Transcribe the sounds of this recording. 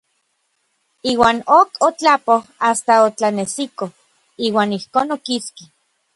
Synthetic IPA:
iːwaːnokʰot͡ɬapohast̪aot͡ɬanesiko | iːwaːnihkoːnokiski

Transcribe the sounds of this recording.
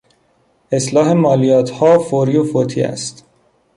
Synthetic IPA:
e̞slɒːɦe̞mɒːlijɒːt̪ʰhɒːfoɾiːofot̪ʰḭːæ̰st̪

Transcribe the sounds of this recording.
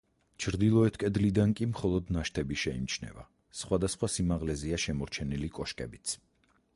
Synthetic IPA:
t͡ʃʰɾd̪ilˠɔɛt̪ʰkʼɛd̪lid̪ankʼimχɔlˠɔd̪naʃt̪ʰɛbiʃɛimt͡ʃʰnɛ̰va | sχwad̪asχwasimaʁlɛziaʃɛmɔɾt͡ʃʰɛnilikʼɔʃkʼɛbit̪sʰ

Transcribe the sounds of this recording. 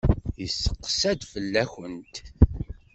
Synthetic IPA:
jəsːə̥qːsæd̪fəlːæçənt̪

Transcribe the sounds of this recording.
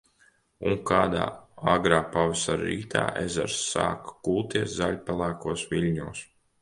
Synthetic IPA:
uŋkaːd̪a̰ːaɡɾaːpavisaɾɾḭːt̪ʰa̰ːʔezaɾsːa̰ːkkuːlˠt̪iɛszalʲpɛlˠæːkuɔsʋilʲɲuːs

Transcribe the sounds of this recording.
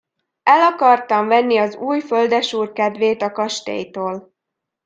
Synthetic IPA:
ɛlɒkɒrt̪ɒɱvɛnːiɒzuːjføld̪ɛʃuːrkɛd̪ʋeːt̪ɒkɒʃt̪ḛːjt̪oːl

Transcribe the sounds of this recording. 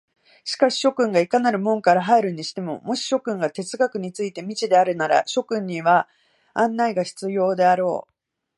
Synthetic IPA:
ɕi̥kaɕi̥ɕo̞kɯ̟̃ŋɡaikanaɾɯ̟mõ̞ŋkaɾaɦaeɾɯ̟ɲ̟iɕi̥t̪e̞mo̞̰mo̞ɕi̥ɕo̞kɯ̟̃ŋɡat̪e̞t͡sɨɡakɯ̟ɲ̟it͡sɨit̪e̞mʲit͡ɕid̪e̞aɾɯ̟naɾa̰ɕo̞kɯ̟̃ɲ̟ːiβa | ãnːaiɡaɕi̥t͡sɨjo̞ːd̪e̞aɾo̞̰ː

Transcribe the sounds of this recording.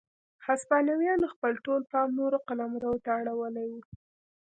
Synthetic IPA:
haspɑnawjɑnəxpəlʈolpɑmnoɾoqalɑmɾawot̪aaɽawəlajwu

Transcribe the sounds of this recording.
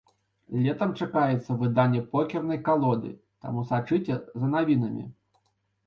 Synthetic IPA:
lʲɛt̪ɐmt͡ʂakajɛt̪sːɐvɨd̪anʲːɛpɔkʲɛrnɐjkalˠɔd̪ɨ̰ | t̪a̰musat͡ʂɨt͡sʲɛzɐnavʲin̪ɐmʲḭ

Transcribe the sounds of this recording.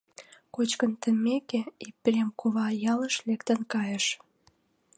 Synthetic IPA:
kot͡ɕkənt̪əmekeipʲremkʰoβɑjɑləʃlekt̪ə̆nkɑjəʃ

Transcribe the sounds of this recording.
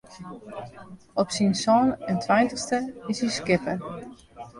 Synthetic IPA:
ɔpsinsɔːnɛntʰʋajntəstəɪsiskɪpər

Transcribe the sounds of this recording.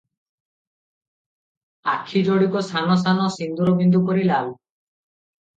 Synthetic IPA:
a̰kʰid͡ʒɔɽikɔsʰanɔsanɔsind̪uɾɔbʱind̪ukɔɾilab

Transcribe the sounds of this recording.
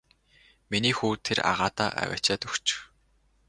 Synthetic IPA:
miniːxuːt̪ʰeɾa̰ʁaːt̪aːʔæ̰wʲæ̰ːt͡ɕaːt̪ɵxt͡ɕ

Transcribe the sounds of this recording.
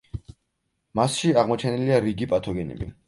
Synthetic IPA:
masʃiaʁmɔt͡ʃʰɛniliaɾiɡipʼat̪ʰɔɡɛnɛ̰bḭ

